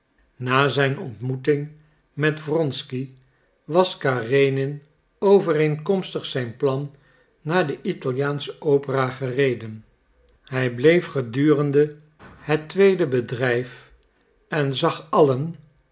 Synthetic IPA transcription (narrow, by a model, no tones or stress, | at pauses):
naːzɛjnɔ̰ntmutɪŋ | mɛtvrɔnski | ʋɑskaːrejnɪn | owvəreŋkɔmstəχsɛjnplɑnː | aːdəʔitɑlˠjaːnsə̥ʔowpəraːχərejdən | hɛjblejfχədyːrəndə | hətʋejdəbədrɛjf | ɛnzɑχɑlən